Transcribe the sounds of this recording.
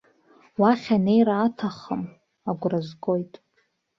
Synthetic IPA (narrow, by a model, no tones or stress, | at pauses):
waχʲanejɾaːtʰaχəm | aɡʷrazɡʼo̞jtʼ